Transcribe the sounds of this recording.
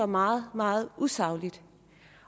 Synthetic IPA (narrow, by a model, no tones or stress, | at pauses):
ɒmɑ̈ːð̩ˠmɑ̈ːð̩ˠusɑ̈ʊlid̥